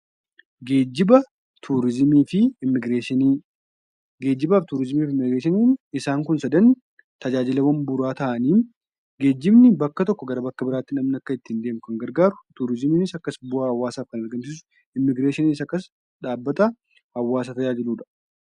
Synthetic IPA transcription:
ɡeːd͡ʒːɪbɐ | t̪ʰuːɾɪzmiːfɪmːɪɡɾeːʃ | ɡeːd͡ʒːɪbaːft̪uːɾɪzmiːfɪmːɪɡɾeːʃɪniːnɪsaːŋkʊnsɐd̪ɐn | t̪ɐd͡ʒaːd͡ʒɪlɛwɐmbʊɾaːt̪ɐʔɐniːn | ɡe̞ːd͡ʒːɪbnɪbɐkːɐt̪ɔkːɔɡɐɾɐbɐkːɐbɪɾaːt̪ːɪnɐmnɪɐkːɐɪt̪ːɪnd̪e̞ːmʊkɐŋɡɐɾɡaːɾʊt̪uːɾɪzɪmiːnɪsɐkːɐsbʊaːɐwːaːsaːfkɐnɐɾɡɐnsɪs̬ʊ̥ | ɪmːɪɡɾeːʃɪniːs̬ɐkːɐs | ᶑaːbːɐt̪ɐ | hɐwːaːs̬ɐt̪ɐjaːd͡ʒɪluːᶑɐ̥

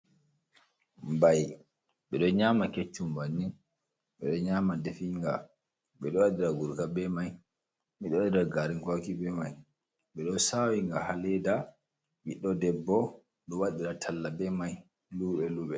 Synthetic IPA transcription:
mbaj | ɓɛɗɔɲamaket͡ʃːumbanːi | ɓɛɗɔɲamadefiŋɡa | ɓɛɗɔwaɗiɾaɡuɾkabɛmaj | miɗɔwaɗiɾaɡaɾiŋkakibɛmaj | ɓɛɗɔsawiŋɡahalɛda | miɗːɔdɛbːɔ | ɗɔwaɗiɾatʰalːabɛmaj | luɓɛluːɓɛ

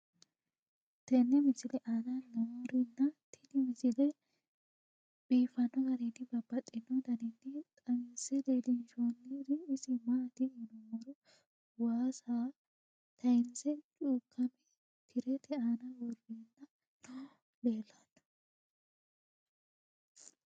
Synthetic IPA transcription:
t̪ɛnːɛmɪsɪlɛʔaːnɐnɐwɔɾɪnːɐt̪ʰɪnɪmɪsɪlɛ | biːfɐnːɔɡɐɾɪnɪbɐbːɐt̪ʼːɪnːɔd̪ɐnɪnːɪt̪ʼɐmɪnsɛd̪eːd̪ɪnʃonːɪd̪ɪːsɪmat̪ɪɪnɔmɔɾʊ | waːsaː | t̪ʰɐɪnsɛt͡ʃʼuːkʰːɐmɛ | t̪ʰɪɾɛt̪ʰɛaːnɐwɔɾbiːnːɐ | beːlːad̪ɐ̥

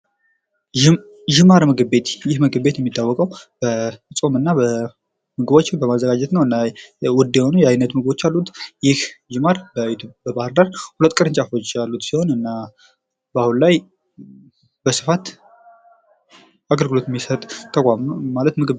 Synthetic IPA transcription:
d͡ʒɪmaɾmɨɡɨβe̞t̪jɪhmɨɡɨβe̞t̪jɛmːit̪ʰːawːɔkʼəwb̥əsʼo̞mɨnːabə | mɨɡɨβo̞t͡ʃːbəmazːəɡad͡ʒɛt̪nəwɨnːawɔd̪ːijɛho̞nujɛajnːət̪mɨɡɨbo̞t͡ʃːalːut̪jɪhʒɪmaɾbət̪bəbahɨɾd̪aɾhulət̪ːkʼɨɾɨnt͡ʃʼafo̞t͡ʃːalːut̪siho̞nɨnːa | bəahunlaj | bəsɨ̥fat̪ | aɡəlɡɨlo̞t̪jɛmːisət̪ʼt̪ʰːəkʼammalət̪mɨɡɨ

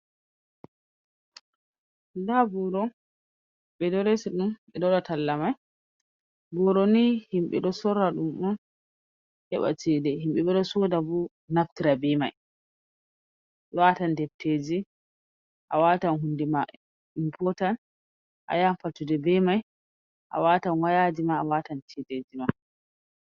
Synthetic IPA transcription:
dabɔɾɔ | ɓɛdɔɾesiɗumɓɛdɔɗɔtalːamaj | bɔɾɔnihimɓɛ̰ɗɔsɔɾaɗumɗɔn | hɛɓa̰t͡ʃidɛhimɓɛɓɛɗɔsɔdabu | naftiɾabɛma̰j | watandɛftːed͡ʒi | ʔawatanɦundima | impʰɔtan | ʔa̰janfatːudɛbɛmaj | ʔa̰watanwajad͡ʒimaːwatant͡ʃɛded͡ʒima

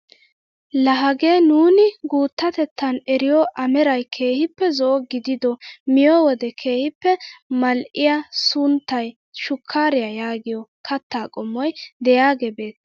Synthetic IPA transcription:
lɐɦɐɡeːnuːnɪɡuːt̪ːɐt̪ɛt̪ːɐnɛɾɪjɔʔɐmɛɾɐjkʰe̞ːhɪpːɛzɔʔɔɡɪd̪ɪd̪ɔmɪjɔwɔd̪ɛkʰe̞ːhɪpːɛmɐlʔɪjasʊnt̪ːɐj | ʃʊkʰːaːɾɪjajaːɡɪjɔkʰɐt̪ːaːkʼɔmːɔjd̪ɛjaːɡɛbe̞ːt̪ː

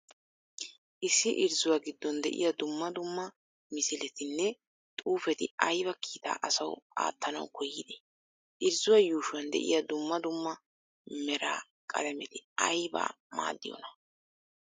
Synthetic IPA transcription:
ʔɪsːɪʔɪɾzʊwaːɡɪd̪ːɔnd̪ɛ̰ʔɪ̰jɐd̪ʊmːɐd̪ʊmːɐ | mɪsɪlɛt̪ɪnːɛ | t̪ʼuːfɛt̪ɪɐjbɐkʰiːt̪a̰ːʔɐsɐwa̰ːt̪ːɐnɐ̰wkʰɔjːɪd̪ɛ | ʔɪɾzʊwajuːʃʊwɐnd̪ɛ̰ʔɪ̰jɐd̪ʊmːɐd̪ʊmːɐ | mɛɾa̰ː | kʼɐ̰d̪ɐmɛt̪ɪɐjba̰ː | ma̰ːd̪ːɪjɔ̰nɐ

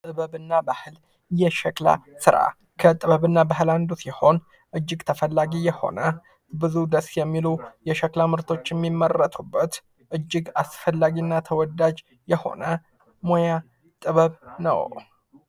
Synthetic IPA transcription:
t̪ʼɨβəβɨnːabahɨl | jɛʃɛkla̰sɨɾa̰ | kʰət̪ʼɨβəβɨnːabaɦɨland̪usiho̞n | ʔɨd͡ʒːɪɡt̪ʰəfəlːaɡijɛho̞̰nə | bɨzud̪əsjɛmːilujɛʃəklamɨɾt̪ʰo̞t͡ʃːjɛmːimːərːət̪ʼʰubːət̪ | ʔɨd͡ʒːɪɡasfəlːaɡinːat̪ʰəwɔd̪ad͡ʒ | jɛho̞̰nə | moja | t̪ʼɨβəβnə̰w

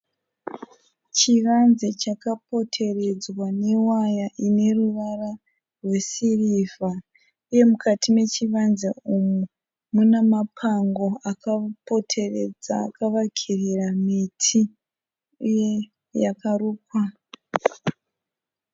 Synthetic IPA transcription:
t͡ʃiʋanzet͡ʃakapo̞tʰe̞re̞d͡zwanewajaʔine̞ruʋara | rwe̞sirivʱa | uje̞mukatime̞t͡ʃiʋanzeumu | munamapʰaŋɡo̞akapo̞tʰe̞rḛd͡zakaʋakʰiriramitʰi | uje | jakaruːkwa

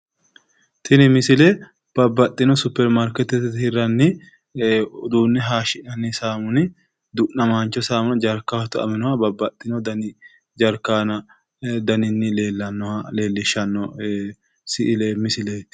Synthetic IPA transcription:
t̪ʰɪnɪmɪsɪlɛ | b̥ɐbːɐt̪ʼːɪnɔsʊpːɛɾmaɾkɛt̪ːɛt̪ːt̪hɪɾːɐnːɪ | ʊd̪uːnːɛɦaːʃɪʔɐnːɪsaːmʊnɪ | d̪ʊʔnɐmaːnt͡ʃːɔsaːmʊnd͡ʒɐɾkːawɔt̪ɔɐ̰mɛnɔhɐbɐbːɐt̪ʼːɪnɔd̪ɐnɪ | d͡ʒɐɾkːaːnɐ | d̪ɐnɪnːɪleːlːɐnːɔleːlːɪʃːɐnːɔ | sɪʔɪlemɪsɪle

